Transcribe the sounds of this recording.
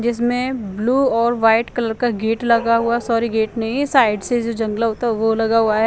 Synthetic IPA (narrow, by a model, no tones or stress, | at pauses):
d͡ʒɪsmẽbluːɔːɾʋaːɪʈkɐləɾkaɡeːʈlɐɡaɦʊasɔːɾiɡeːʈnɐɦĩsaːɪɖsed͡ʒod͡ʒɐ̃ŋɡlaɦot̪aɦʋolɐɡaɦuaɦɛ